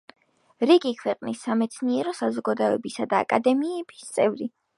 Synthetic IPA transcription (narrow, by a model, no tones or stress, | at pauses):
ɾiɡikʰwɛqʼnisːamɛt̪sʰniɛɾɔsazɔɡad̪ɔɛbisad̪a̰ːkʼad̪ɛmiɛb̥ist̪sʼɛvɾi